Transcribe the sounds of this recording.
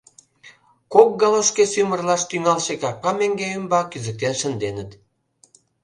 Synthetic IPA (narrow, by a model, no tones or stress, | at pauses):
kok̚ɡɑləʃkesymə̆rlɑʃt̪yŋɑlʃekɑrpɑmeŋɡeəmbɑkyzə̆k̚t̪enʃə̆nd̪enə̆t̪